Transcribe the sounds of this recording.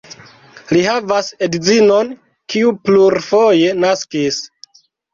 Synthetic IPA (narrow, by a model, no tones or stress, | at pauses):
lihavasedzino̞n | kiupluɾfoje̞naskis